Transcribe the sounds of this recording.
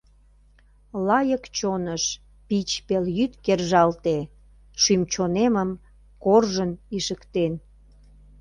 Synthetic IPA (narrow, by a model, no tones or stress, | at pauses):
lɑjəkt͡ɕonəʃ | pit͡ɕpeljyt̪kerʒɑlt̪e | ʃymt͡ɕoneməm | korʒəniʃəkt̪en